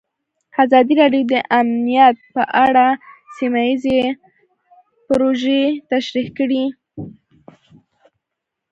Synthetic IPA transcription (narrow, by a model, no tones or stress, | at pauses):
azɑd̪iɾɑɖjod̪əʔamnijat̪̚pəʔaɽasimajize | pɾoʒet̪aʃɾixkəɽi